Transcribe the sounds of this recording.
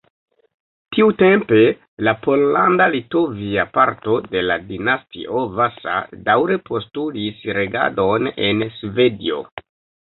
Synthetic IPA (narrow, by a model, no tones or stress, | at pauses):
tiute̞mpe̞ | lapo̞llandalito̞viapaɾto̞de̞ladinastḭʔo̞vasa̰dawɾe̞po̞stulisɾe̞ɡa̰do̞ne̞nsve̞dḭo̞̰